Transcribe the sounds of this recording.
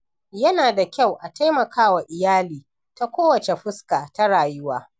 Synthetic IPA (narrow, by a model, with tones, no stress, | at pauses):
jɐ˦naː˨da˨kʲa˦˨wʔa˨ta˦jmɐ˨kʰaː˦wa˨ʔɪ˨jaː˦liː˨ | ta˦kʷoː˦wɐ˨t͡ʃe˨ɸʊ˦skaː˨ta˦ɽaː˨jʊ˦waː˦